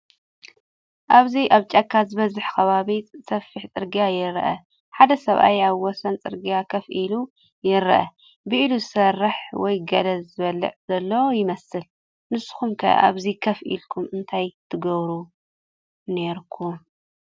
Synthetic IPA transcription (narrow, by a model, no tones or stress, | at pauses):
ʔaβziʔaβt͡ʃʼɐkʰːazɨβɐzɨħkʰɐβaβisɐfːiħt͡sʼɨɾɡijajɪɾʔɐ̰ | ħad̪ɐsɐβʔa̰jaβwɔsɐnt͡sʼɨɾɡijakʰɐfʔilu | jɪɾʔɐ̰ | bɨʔiluzɨsɐrːɨħwɔjɡɐlɐzzɨβɐlːɨ̰ʕz̥ɐlːɐwojɪmɐsɨl | nɨsɨ̥xumkʰɐ̰ʔa̰βzikʰɐfʔḭlkʰumɨnt̪ʰajt̪ʰɨɡɐβɾu | ne̞ɾkʰum